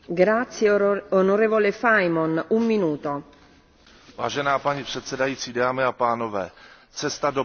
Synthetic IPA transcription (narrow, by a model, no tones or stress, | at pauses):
ɡɾat̪sjeonoɾeːvolefajmonumːinuːt̪o | va̰ːʒɛnaːpaɲipr̝̥ɛt̪sɛdajiːt͡siːdaːmɪapaːnovɛː | t͡sɛst̪ado